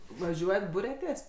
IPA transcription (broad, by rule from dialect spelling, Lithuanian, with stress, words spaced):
ʋɐˈʒʲuɔjɛt ˈbʊrʲɛtʲeːs